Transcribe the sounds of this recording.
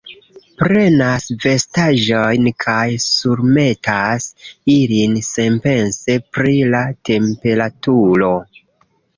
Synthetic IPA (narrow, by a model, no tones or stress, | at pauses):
pɾe̞nasve̞staʒo̞jnkʰajsuɾme̞tasilinse̞mpe̞nse̞pɾilatʰe̞mpe̞ɾatuɾo̞